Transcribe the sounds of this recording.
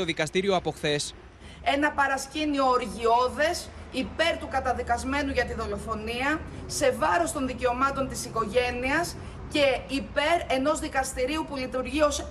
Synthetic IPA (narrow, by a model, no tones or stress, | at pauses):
oðikɐst̪iɾio̞ɐpo̞xθe̞s | enɐpɐɾɐscinio̞ːɾʝio̞ðe̞s | ipe̞ɾt̪ukɐt̪ɐðikɐzme̞nuʝɐt̪iðo̞lo̞fo̞niɐse̞vɐɾo̞st̪o̞nðice̞o̞mɐt̪o̞nt̪isiko̞ʝe̞niɐs | ce̞ipe̞ɾe̞no̞zðikɐst̪iɾiupulit̪uɾʝio̞s